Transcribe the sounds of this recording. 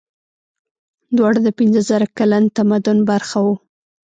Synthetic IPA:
d̪wɑɽd̪əpɪnzəzaɾakalant̪amad̪ʊnbaɾxawu

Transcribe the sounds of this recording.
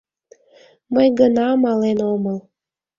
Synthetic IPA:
məjɡənɑmɑlenoməl

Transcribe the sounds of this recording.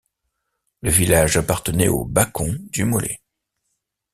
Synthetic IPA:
ləvilaʒapaʁt̪ənɛobakʰɔ̃d̪ymɔlʔɛ̰

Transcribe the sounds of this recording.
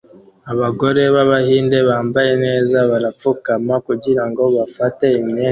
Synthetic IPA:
aβaɡo̞ɾe̞βaβahiːnde̞βaːmbaje̞ne̞ːzaβaɾap͡fukamakuɟiɾaŋɡo̞βafate̞imeː

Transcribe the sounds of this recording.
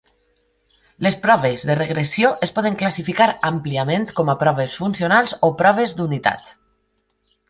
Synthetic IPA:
lespɾɔβ̞ezðereɣɾesioʔespɔðəŋklasifikaɾampliamẽnt̪kɔmapɾɔβesfunsionalˠzopɾɔβ̞ezd̪unit̪a̰t̪

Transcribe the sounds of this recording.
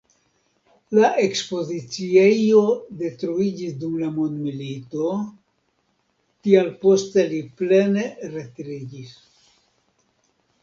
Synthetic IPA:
laʔe̞kspo̞zit͡sie̞jo̞de̞tɾuid͡ʒisdumlamondmilito̞ | tialpo̞ste̞liple̞ne̞ɾe̞tɾid͡ʒis

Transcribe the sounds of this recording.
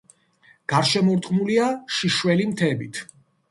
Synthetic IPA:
ɡ̥aɾʃɛmɔɾt̪ʼqʼmuliaʃiʃwɛlimt̪ʰɛbit̪ʰ

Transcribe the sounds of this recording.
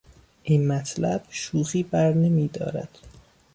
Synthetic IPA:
ʔinmæt̪ʰlæb̥ʃuːɣiːbæɾne̞miːd̪ɒ̰ːɾæ̰d̪̥

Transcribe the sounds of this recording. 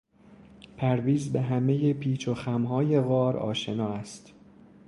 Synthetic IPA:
pʰæɾviːzbe̞ɦæme̞je̞pʰiːt͡ʃʰoxæmɦɒːje̞ɣɒːɾɒ̰ːʃe̞nɒːæst̪

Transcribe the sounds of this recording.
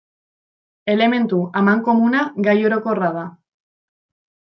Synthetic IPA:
e̞le̞me̞nt̪uamaŋko̞munaɡajo̞ɾo̞ko̞raða

